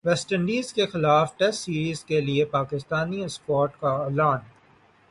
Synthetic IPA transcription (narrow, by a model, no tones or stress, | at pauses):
ʋɛsʈə̃ɳɖiːzkexɪlaːfʈɛsːiːɾiːzkeliepaːkɪst̪aːniɪspɔːɾʈkaɛːlaːn